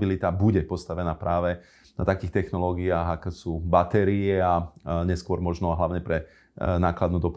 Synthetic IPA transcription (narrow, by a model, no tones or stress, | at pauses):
bilit̪abuɟɛpɔst̪aʋɛnaːpɾʔaːʋɛ | na̰t̪akiːxt̪ɛxnɔlɔːɡiaːɣaksuːbat̪ɛɾiɛaɲɛskʊɔɾmɔʒnɔɦlaʊɲɛpɾɛ | naːklad̪nuːd̪ɔp